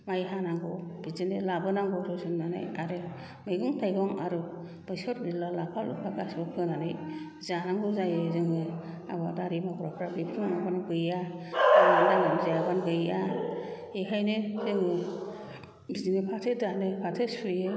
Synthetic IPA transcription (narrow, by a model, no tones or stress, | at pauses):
majɦanaŋɡɔb̥izinilabɯnaŋɡɔɾɯzɯnːanɯ̰jaɾɯ | mɯjɡɯŋtʰajɡɔŋaɾu | bɯjsɔt̚nilɔlapʰalṵpʰaɡasbɯpʰɯnanɯj | zanaŋɡɔzajɯzɯŋɯ | a̰badaɾimɔɡɾɔpʰɾabipʰɯnaŋabanɯbɯjaaanaŋɯmzajabanɡɯja | eɦajnɯzɯŋɯ | bizinipʰatʰɯdanɯpʰatʰɯspʰɯjɯ